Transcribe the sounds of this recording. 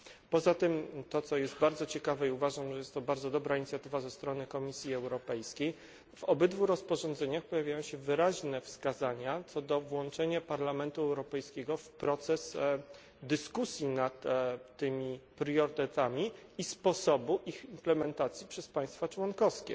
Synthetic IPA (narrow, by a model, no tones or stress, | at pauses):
pɔzat̪ɘmt̪ɔt̪sɔjɛst̪baɾd̪zɔt͡ɕɛkavɛiuvaʐamʐɛjɛst̪ːɔbaɾd̪ɔd̪ɔbɾaiɲit̪sʲjat̪ɘvazɛst̪ɾɔnɘkɔmʲisʲjiɛwɾɔpɛjskʲej | vɔbɘd̪vuɾɔspɔʐɔ̃nd̪zɛɲaxpɔjavʲjajɔ̃w̃ɕɛvɘɾaʑnɛfskazaɲat̪sɔd̪ɔvwɔnt͡ʂɛɲapaɾlamɛnt̪uɛwɾɔpɛjskʲɛɡɔfpɾɔt̪sɛs | d̪ɘskusʲjinat̪ːɘmʲipɾjɔɾt̪ɛt̪amʲiispɔsɔbuʔiximplɛmɛnt̪at̪sʲjipʂɛspaj̃st̪fat͡ʂwɔnkɔskʲɛ̰